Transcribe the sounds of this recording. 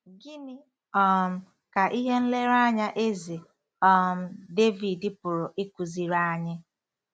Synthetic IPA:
ɡi˦nɪ˦ | ɔ˦˨m̩˦ | ka˨ʔi˦ɦe˦n̩˦le˦ɾa˦ɲa˦ʔe˦ze˨ | ɔ˦m̩˦de˦vi˨dɪ˦pʊ˨ɾʊ˨ʔi˦ku˨zi˨ɾa˦ɲɪ˦

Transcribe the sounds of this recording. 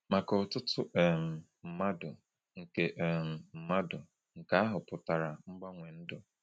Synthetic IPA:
ma˨kɔ˨tʊ˦tʊ˦ʔɛ˨m̩˨ | m̩˨ma˦dʊ˨ | ŋ̩˨ke˦ʔm̩˨m̩˨ma˦dʊ˨ | ŋ̩˨ka˨a˦ɦʊ˨pʊ˨ta˨ɾa˨ŋ͡m̩˦ɡ͡ba˦ŋʷe˨n̩˦dʊ˨

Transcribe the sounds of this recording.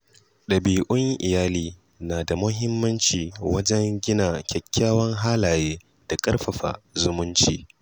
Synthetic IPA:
ɗɐ˨biː˨ʔʊ˦ŋʔɪ˨jaː˦liː˨ | naː˨da˨mʊ˦ɦɪ˦mːɐ˦nt͡ʃiː˨wɐ˦d͡ʒɛ˦ŋɡʲɪ˦naː˨kʲɛ˨kʲːaː˦wɐ˦ŋɦaː˦laː˨jeː˦ | d̥a˨kʼɐ˦rɸɐ˨ɸa̰ː˨zʊ˦mʊ˦nt͡ʃiː˦˨

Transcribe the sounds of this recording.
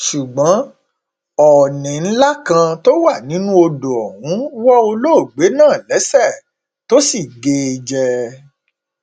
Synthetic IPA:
ʃu˨ɡ͡bɔ̃˨˦ | ɔ˨nĩ˨n̩˦la˦kã˧to˦wa˦˨nĩ˨˦nũ˦o˧do˨ɔ˨wũ˨˦wɔ˦o˧lo˦˨ɡ͡be˨˦nãː˦˨lɛ˨˦sɛ˦˨ | to˦si˦˨ɡe˧i˧d͡ʒɛ˧

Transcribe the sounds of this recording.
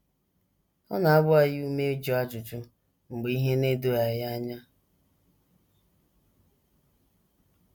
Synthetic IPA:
ɔ̰˦na˨a˦bʊ˦a˦jɪ˦u˦me˦d͡ʒo˦a˦d͡ʒʊ˨t͡ʃʊ˦ | ŋ͡m̩˨ɡ͡bi˦ɦe˦ne˦do˦ja˨ja˦ɲa˦

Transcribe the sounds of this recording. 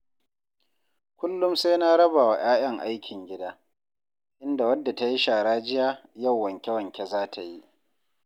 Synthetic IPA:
kʷʊ˦lːʊ˦mse˦na˦ɾɐ˦baː˨wa˨j̰aː˦j̰ɐ˦ŋʔa˦jkʲʰɪ˨ŋɡʲɪ˦daː˦ | ʔɪ˦nda˨wɐ˦dːa˨ta˦ji˦ʃaː˨ɽaː˦d͡ʒɪ˦jaː˦jɐ˦˨wːɐ˨ŋkʲɛ˦wɐ˨ŋkʲe˨zaː˦tʰa˨ji˦ʔ

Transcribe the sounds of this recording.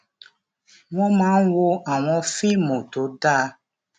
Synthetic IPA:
w̃ɔ̃˦mãː˨˦n̩˦wo˧a˨w̃ɔ̃˧fi˦˨mõ˨to˨˦da˦

